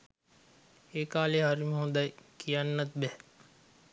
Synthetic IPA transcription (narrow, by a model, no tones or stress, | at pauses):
eːkaːleːɦaɾiməɦũnd̪ajkijanːɐt̪̚bɛh